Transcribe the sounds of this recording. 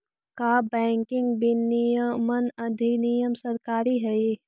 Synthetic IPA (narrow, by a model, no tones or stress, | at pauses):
kabɛ̃ːŋkɪ̃ŋɡbinijəmənɐd̪ʱinijəmsəɾkaːɾiɦɛi